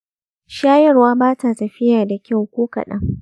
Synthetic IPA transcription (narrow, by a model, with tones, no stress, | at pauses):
ʃaː˦jɐ˦˨rwaː˦baː˦ta˨sɐ˨ɸɪ˦ja˨da˨kʲa˦˨wkʷoː˦kɐ̰˨ɗɐ̰˦ŋ